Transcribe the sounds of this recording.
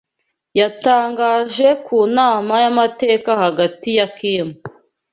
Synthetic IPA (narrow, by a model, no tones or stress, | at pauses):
jataːŋɡaːʒe̞kuːnaːmajamate̞ːkahaɡatijakiːmu